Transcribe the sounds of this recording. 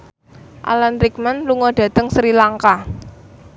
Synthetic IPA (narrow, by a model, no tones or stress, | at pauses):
ʔa̰lanɾikmanluŋɔɖ̥ä̤t̪əŋsɾilaŋka